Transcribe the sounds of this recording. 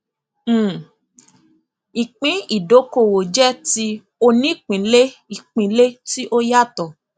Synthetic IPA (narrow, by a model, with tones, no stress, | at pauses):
i˨k͡pĩ˨˦i˦˨do˨˦ko˦˨wo˨d͡ʒɛ˦ti˧ | o˧nĩ˦˨k͡pĩ˨˦le˦i˨k͡pĩ˨˦le˦ti˦ʔo˦ja˦˨tɔ˨